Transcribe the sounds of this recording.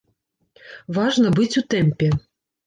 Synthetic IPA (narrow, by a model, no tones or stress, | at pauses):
vaʐnɐbɨt͡sʲut̪ɛmʲpʲɛ